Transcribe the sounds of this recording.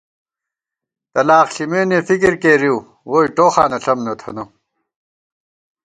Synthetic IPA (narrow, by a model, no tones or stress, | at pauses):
t̪ɐlaːχɬimeːnefikiɾkeːɾiw | woːiʈoːxaːnɐɬɐmnɐt̪ʰɐ̰no